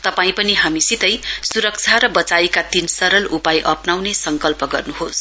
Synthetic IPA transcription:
t̪ʌpaĩpʌniɦamisit̪ʌjsuɾʌk̚t͡sʰaɾʌbʌt͡sajkat̪insʌɾʌlupajʔʌpnawnesʌŋkʌlpʌɡʌrnuɦos

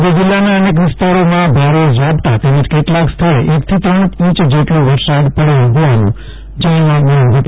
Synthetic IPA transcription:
d̪ed͡ʒɪlːanaənek̬ʋɪst̪aɾomãbʱaɾod͡ʒɾabt̪at̪eməd͡ʒkeʈlãkst̪ʰəɭḛʔekt̪ʰit̪ɾəɳ̃ĩt͡ʃd͡ʒeʈloʋəɾsad̪pəɽeɦoʋanṵ̃ | d͡ʒãlaɡanʋəp

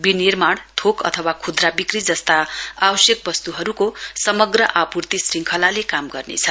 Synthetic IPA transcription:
binirmaɽ̃t̪ʰokʌ̰t̪ʰʌwakʰud̪rabikrid͡zʌst̪aabʌsjʌk̚bʌst̪uɦʌɾukosʌmʌɡrʌʔapurt̪isriŋkʰʌlalekamɡʌrnḛt͡sʰʌ

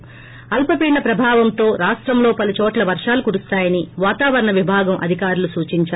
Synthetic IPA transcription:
ɐlpɐpiːɳɐpɾɐbʱaːʋɐnt̪o̞ːɾaːʂʈɾɐmlo̞ːpɐlut͡ʃɔːʈlɐʋɐɾʂaːlukuɾust̪aːjɐniʋaːt̪aːʋɐɾɐɳɐʋibʱaːɡɐmʔɐ̰d̪ʱikaːɾulusuːt͡ʃiɲt͡ʃaː

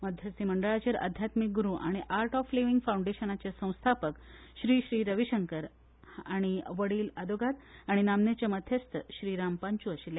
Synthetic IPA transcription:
məd̪ʱjəst̪iməɳɖəɭat͡ɕaɾə̰d̪ʱjat̪mik̚ɡuɾuʔaɽ̃iʔaɾʈɔfleʋiŋɡfawũɳɖeɕənat͡ɕjasə̃w̃st̪ʰapəkɕɾiːɕɾiːɾəʋiɕəŋkəɾ | aɽ̃iʋəɽiːlad̪oɡat̪aɽ̃inamnet͡ɕəməd̪ʱjəst̪ʰəɕɾiːɾampaɲt͡ɕuəɕilj

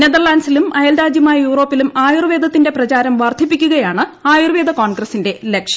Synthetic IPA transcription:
ned̪ɐrɭaːnsilumɐjɐldaːd͡ʑjɐmaːjɐjuːro̞ːpːilumaːjurʋeːd̪ʱɐt̪ːinde̞prɐt͡ɕaːɾɐmʋɐrd̪ʱipːikʲːuɣɐjaːɳɨaːjurʋeːd̪ʱɐkoːnɡrɐsːinde̞lekʂjɐ

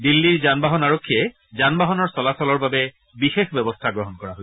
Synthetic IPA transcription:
dilːiɹzanbaɦɔnaɹokʰːiɛ | zanbaɦɔnɔɹsɔlasɔlɔɹbabɛ | bixexbɛbɔstʰaɡɹɔɦɔnkɔɹaɦoj

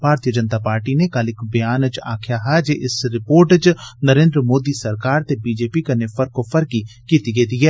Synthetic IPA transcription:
bʱaːɾt̪ijəd͡ʒənt̪apaːɾʈinekalɪkbɐjaːnət͡ʃa̰ːkʰjaɦɛd͡ʒeʔɪsɾɪpoːɾʈət͡ʃnəɾẽːnd̪ɾəmoːd̪isɐɾkaːɾt̪ebiːd͡ʒeːpikɐnefəɾkofʰəɾkikiːt̪iɡed̪iɛː

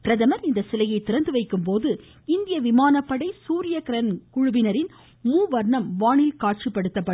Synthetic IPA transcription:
pɪɾɐðɐmɐɾɪnd̪ɐsɪlɐjɐɪt̪ːɪɾɐnd̪ɯʋɐɪkːɯmp̬oːðɯ | ɪnd̪ɪjɐʋɪmaːnɐpːɐɽɐɪsuːɾɪjɐkɪɾɐnkʊɻʊbɪnɐɾɪn | muːʋɐɾɳɐmʋaːɳɪlkaːʈ̚t͡ʃipːɐɽɯt̪ːɐpːɐ

